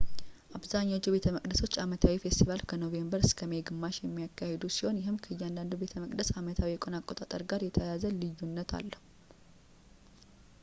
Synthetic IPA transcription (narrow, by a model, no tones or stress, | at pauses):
ʔaβzaɲːawt͡ʃːibe̞t̪ʰəməkʼd̪əso̞t͡ʃːamət̪ʰawifest̪ʰivalkʰəno̞ve̞mbəɾɨskʰəmeɡɨmːaʃjɛmːijakʰːahe̞d̪usiho̞njɪɦɨmkʰəɨjːand̪and̪ubet̪ʰəməkʼd̪əsamət̪ʰawijɛkʼo̞nakʼo̞t̪ʼat̪ʼə̰ɾɡaɾjɛt̪ʰəjazəlɨjːunːət̪ʰa̰lːəhu